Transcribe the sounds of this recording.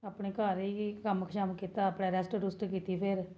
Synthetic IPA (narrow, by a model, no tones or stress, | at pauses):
aːpɳeːkaːɾiːkəmkʰʃaːmkiːt̪aːəːpɽɛːɾɛːsʈɖʊsʈkiːt̪iːpʰɪɾ